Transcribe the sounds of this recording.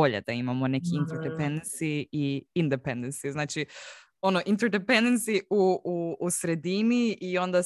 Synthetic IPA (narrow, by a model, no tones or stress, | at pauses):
oʎḛd̪aimamo̞ne̞kiint̪eɾd̪epend̪ensiiind̪epẽnd̪ensiznaːt͡ʃi | o̞noʔint̪eɾd̪epend̪ensiuuːsɾe̞d̪iniiõ̞nd̪a